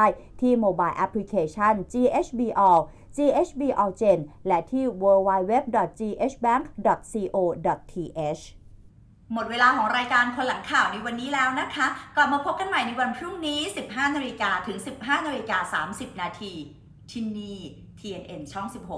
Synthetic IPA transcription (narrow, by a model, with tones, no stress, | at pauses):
a˥˩j | t̪ʰiː˥˩moː˧baː˧jʔa˦˥pʰli˦˥kʰeː˧t͡ɕʰa˥˩nt͡ɕiː˧ʔe˦˥t͡ɕʰbiː˧ʔɔː˧w | t͡ɕiː˧ʔe˦˥t͡ɕʰbiː˧ʔɔː˧t͡ɕe˧nlɛ˦˥t̪ʰiː˥˩wɤː˧waː˧jwe˦˥p̚dɔ˨˩t̪̚t͡ɕiː˧ʔeː˦˥t͡ɕʰbɛː˦˥˩ŋk̚ʰdɔ˨˩t̪̚siː˧ʔoː˧dɔ˨˩t̪̚ʰiː˧ʔe˦˥t͡ɕʰ | mo˨˩t̪̚weː˧laː˧kʰɔː˩˦ŋɾaː˧jkaː˧nkʰo˧nla˩˦ŋkʰaː˨˩wna˧jwa˧nːiː˦˥lɛː˦˥wna˦˥kʰa˦˥klɔ˨˩maː˧pʰo˦˥p̚ka˧nma˨˩jna˧jwa˧npʰɾu˥˩ŋniː˦˥si˨˩p̚ɦaː˥˩naː˧li˧kaː˧t̪ʰɯ˩˦ŋsi˨˩p̚ɦaː˥˩naː˧ɾi˧kaː˧saː˩˦msi˨˩p̚naː˧t̪ʰiː˧ | t̪ʰi˧niː˧˩ | t̪ʰiː˧ʔe˧nʔe˧nt͡ɕʰɔ˥˩ŋsi˨˩p̚ho˨˩